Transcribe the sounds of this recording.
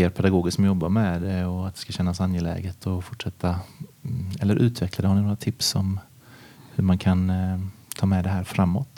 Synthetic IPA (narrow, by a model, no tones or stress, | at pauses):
eːɾpʰɛd̪aɡoːɡɪsksmjɔbːaɾmɛd̪ɛɔat̪̚d̪ɛ̥skaɕɛnːasanjɛlɛ̰ːɡət̪ʰɔfʊʈʂɛt̪ʰːa | ɛlːəɾʔʉ̟ːt̪vɛklad̪ɛhaɳnɪnoːɾat̪ʰɪpsɔm | hɵɾmankʰan | t̪ʰɑːmɛd̪ɛɦæːɾfɾamːɔ̰t̪